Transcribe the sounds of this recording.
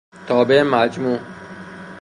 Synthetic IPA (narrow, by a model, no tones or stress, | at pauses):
t̪ɔːbemad͡ʒmu